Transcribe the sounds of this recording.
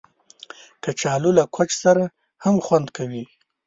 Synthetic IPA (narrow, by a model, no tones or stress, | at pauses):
kat͡ʃɑlulakʰwat͡ʃsaɾa | hamxwand̪kʰawi